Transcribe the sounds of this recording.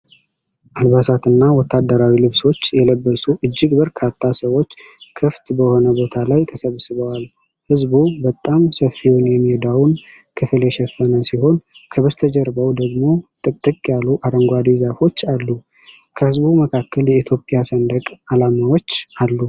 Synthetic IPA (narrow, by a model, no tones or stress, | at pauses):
ʔalβasat̪ɨnːawɔt̪ːad̪ːəɾawilɨβso̞t͡ʃːjɛləbːəsuʔɨd͡ʒːɪɡbəɾkʰat̪ʰːasəwo̞t͡ʃːkʰɨft̪bəho̞nəbo̞t̪ʰalajt̪ʰəsəβsɨβəwal | hɨzbubət̪ʼːamsəfiwunjɛmːihed̪awun | kʰɨfɨljɛʃɛfːənəsiho̞nkʰəβəst̪ʰəd͡ʒəɾbəwd̪əɡmo̞t̪ʼɨkʼt̪ʼːɨkʼjaluʔaɾəŋɡʷad̪izafo̞t͡ʃːalːu | kʰəhɨzβuməkʰakːəljɛit̪ʰjo̞pʼɪjasənd̪əkʼalamawo̞t͡ʃːʔalːu